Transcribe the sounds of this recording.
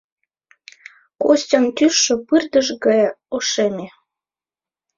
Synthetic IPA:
kosʲtʲɑnt̪yʃːə̆pɨrd̪ə̆ʒɡɑjoʃemʲe

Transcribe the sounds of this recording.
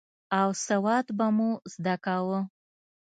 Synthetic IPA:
awsawɑd̪bamuzd̪akawə

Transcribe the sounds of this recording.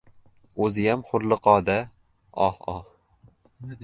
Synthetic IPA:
ɵzɪjamχʊɾlˠɨqɒːd̪a | ɒhɒh

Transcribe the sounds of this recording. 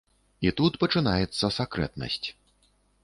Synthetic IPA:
it̪ut̪pɐt͡ʂɨnajɛt̪sːɐsakɾɛ̰t̪nɐ̰sʲt͡sʲ

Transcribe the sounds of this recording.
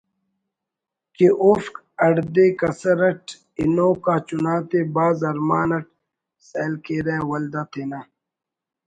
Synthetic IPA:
keʔofk | ɐɽd̪eːkɐsɐɾɐʈ | inoːkaːt͡ʃunaːt̪ebaːzɐɾmaːnɐʈ̚ | seːlkeɾeːwɐld̪aːt̪ʰeːnaː

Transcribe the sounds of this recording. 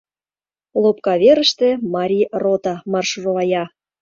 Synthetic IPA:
lˠop̚kɑβʲeɾə̆ʃt̪ĕmɑɾʲirot̪ɑmɑrʃurolɑjɑ

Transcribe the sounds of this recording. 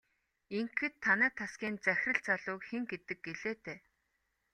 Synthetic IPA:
iŋxɘ̆t̪ʰːanæːt̪ʰaskʲiːnt͡sæxʲrə̆ɬt͡saɮʊːkxeŋɡet̪ɘ̆k̚ɡeɮeːt̪eː

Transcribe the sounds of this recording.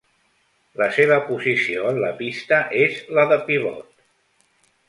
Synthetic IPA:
ləseβ̞əpuzisioənləpist̪əʔezləðəpiβɔ̰t̪

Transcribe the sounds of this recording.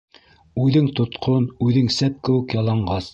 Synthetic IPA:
ʉðɘŋt̪ŏt̪qʰonʉðɘŋsæp̚kɘ̆wɘ̆kjɑlˠɑɴɢɑs

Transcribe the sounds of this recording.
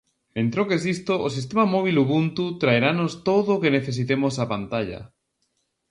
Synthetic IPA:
ẽnt̪ɾokesist̪oʔos̬is̬t̪emamoβ̞iluβunt̪ut̪ɾaeɾanost̪oðokeneθe̞s̬it̪emosapant̪aʎa̰

